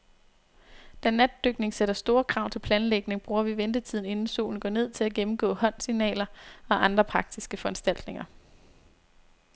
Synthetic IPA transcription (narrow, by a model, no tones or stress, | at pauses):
d̥ænæd̥̚ːøɡ̥ne̝ŋseɾ̥ɐsd̥o̝ːɐkʰʁɑ̈ʊ̰t͡sʰe̝lpʰlɛːnleɡ̥ne̝ŋb̥ʁuːɐʋiʋend̥ət͡sʰið̰ˠn̩e̝nn̩so̰ːln̩ɡɒ̰ːne̝ð̰ˠt͡sʰe̝æɡ̥emm̩ɡ̥ɔ̰̽ːhɒ̽n̰sinɛ̰ːlɐɒ̽ʔɑ̈nd̥ʁɐpʰʁɑ̈ɡ̥̚d̥isɡ̥əfɒ̽ænsd̥æl̰d̥ne̝ŋɐ